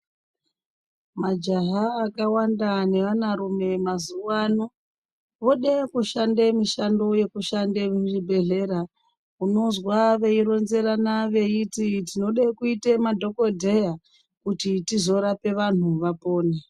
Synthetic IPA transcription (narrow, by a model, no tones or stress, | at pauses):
mad͡ʒaɦaːkawandane̞ʋanaɾume̞mazuwano | ʋo̞ɗekuʃandemiʃandoje̞kuʃandemʒibʱe̞ɮe̞ɾa | uno̞zwaʋe̞iɾo̞nze̞ɾanaʋe̞ititino̞ɗekuitemadʱo̞ko̞dʱe̞ja | kutitizo̞ɾape̞ʋan̤uʋapo̞ːne